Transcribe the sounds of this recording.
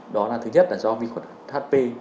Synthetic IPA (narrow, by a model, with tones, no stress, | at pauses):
ɗɔ˨˦laː˨˩t̪ʰɨ˨˦ɲə˦˥t̚laː˧˩zɔ˧vḭ˧˨˩kwa˧˩na˨˩thaː˦˥t̚pe˧